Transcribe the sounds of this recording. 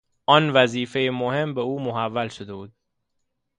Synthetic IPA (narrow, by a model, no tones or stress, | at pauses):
ʔɒnvæziːfejemohe̞mbeuːmoɦævːælʃod̪e̞buːd̪̥̚